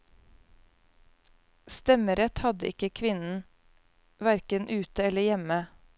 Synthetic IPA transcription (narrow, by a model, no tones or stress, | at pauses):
st̪ɛməɾɛt̪hɑd̪ə̰ʔɪkəkʰʋɪnn̩ | ʋæɾkənʔʉːt̪əɛləjɛmə